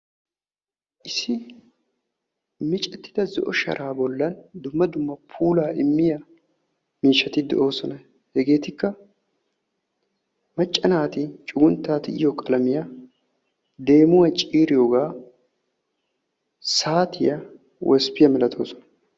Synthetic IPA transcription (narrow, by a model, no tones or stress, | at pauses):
ʔɪsɪ | mɪt͡ʃʼɛt̪ːɪ̥d̪ɐzɔ̰ʔɔʃɐ̰ɾʔaːbɔlːɐnd̪ʊmːɐd̪ʊmːɐpʰuːlaːɪmːɪjɐ | miːʃːɐt̪ɪd̪ɛ̰ʔo̞ːsɔnɐ | hɛɡe̞ːt̪ɪkːɐ | mɐt͡ʃʼːɐnaːt̪ɪt͡ʃʼʊɡʊnt̪ːaːt̪ɪɪ̰jɔkʼɐlɐmɪjɐ | d̪e̞ːmʊwɐt͡ʃʼiːɾɪjoːɡaː | saːt̪ʰɪjɐ | wʔɛspɪjɐmɪlɐt̪ʰo̞ːsɔ̥nɐ̥